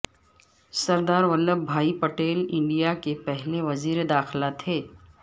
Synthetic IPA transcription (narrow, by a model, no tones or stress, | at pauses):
sɐɾd̪aːɾʋəlːəbʱaːipɐʈeːlɪ̃ɳɖijakepɛɦleʋɐziːɾed̪aːxlat̪ʰeː